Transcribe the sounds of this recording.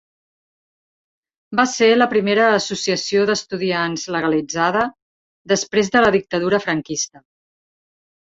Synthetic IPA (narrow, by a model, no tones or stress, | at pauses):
baseləpɾimeɾəːsusiəsioðəst̪uðianzləɣəlid͡zaðə | d̪əspɾezðələðik̚t̪əðuɾəfɾəŋkist̪ə